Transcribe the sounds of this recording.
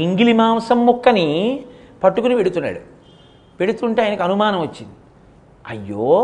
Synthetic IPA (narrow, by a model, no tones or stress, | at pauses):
iŋɡilimaːmsɐmːukːɐni | pɐʈːukunipe̞ɽut̪unːa̰ːɽu | pe̞ɽut̪uɳʈe̞aːjinɐkiɐnumaːnɐmʋɐt͡ʃːind̪i | ɐjːoː